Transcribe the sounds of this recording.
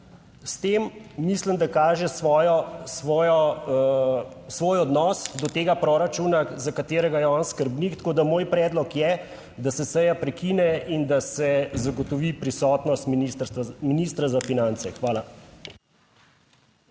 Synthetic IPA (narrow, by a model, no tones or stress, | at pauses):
st̪emːisləmd̪akaːʒɛsʋɔjɔsʋɔːjɔ | sʋoːjɔd̪nɔsd̪ɔt̪eːɡapɾɔɾat͡ʃuːnazakat̪eːɾɛɡajɛɔnskəɾbnikt̪koːd̪amoːjpɾɛːd̪lɔkjɛ | d̪asɛsɛjapɾɛkiːnɛind̪asɛzaɡɔt̪ɔʋipɾisɔːt̪nɔst̪mist̪minist̪ɾazafinant̪sɛxʋaːla